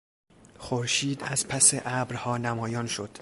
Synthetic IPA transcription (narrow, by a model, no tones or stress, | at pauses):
χoɾʃiːd̪æzpʰæseʔæbɾhɒːnæmɒːjɒːnʃod̪̥